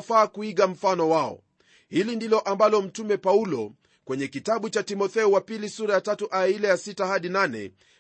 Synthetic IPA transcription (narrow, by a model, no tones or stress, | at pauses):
faːkuiɠam̩fanɔwaɔ̰ | hilindilɔʔambalɔm̩tumɛpaulɔ | kwɛɲɛkitaɓut͡ʃatimɔθɛuwapilisuɾajatatuʔailɛjasitahaɗinanɛ̰